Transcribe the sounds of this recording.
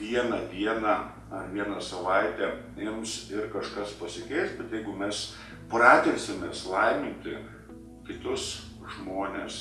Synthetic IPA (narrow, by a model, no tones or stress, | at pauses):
ʋʲiɛnɐd̪ʲiɛnɐ | ɐʋʲiɛnɐsɐʋɐɪt̪ʲɛ | ɪmsɪrkɐʃkɐspɐsʲɪkʲɛɪst̪bʲɛt̪jɛɪɡʊmʲɛs | prɑːt̪ʲeːsʲɪmʲeːslˠɐɪmʲɪnʲt̪ʲɪ | kʲɪt̪ʊs | ʒmoːnʲes